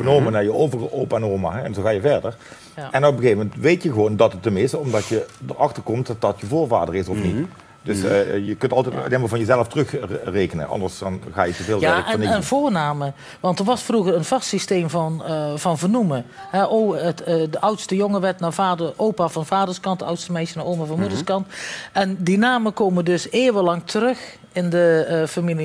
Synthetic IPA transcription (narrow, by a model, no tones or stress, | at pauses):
vənomənaːɹjəoːvərəʔowpanɔːma̰ɦɛɛnzoxaːjəvɛɹdəɹ | ɛnɔpəɣeːvəmɛntʋejtjəɣəʋoːwndɑtətəmɪsɔmdɑtjədəɹɑxtəɹkɔmt̚dɑtjəvoːɹva̰ːdəɹɪsɔfnit | døsjəkɵntɑlˠtɛtːteːməlˠvɑnjəzɛləftərɵxreːkənə̰nʔɑ̰ndəɹsdɑnɣa̰ːjətəveːlaəninvoːɹnaːmə | ʋɑntəɹʋɑsfruɣəɾənv̥ɑstsisteːmvɑnv̥ɑnvənumə | ɦɛʔoətdəʔʌwtstəjoŋəʋɛtnaːvaːdəʔoːpaːvɑnvaːdəɹskɑntdəʌwtstəmɛjsjənaʔoːwmavɑnmudəɹskɑntʔɛndinaːməkoːmədɵseːʋəlɑŋtʰərɵx | ɪndəfamili